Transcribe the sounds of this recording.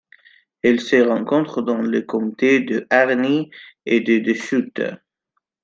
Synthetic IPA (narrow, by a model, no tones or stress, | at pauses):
ɛlsəʁɑ̃kɔ̃t̪χəd̪ɑ̃ləkɔ̃mt̪ed̪əʔaʁnied̪əd̪əʃyt̪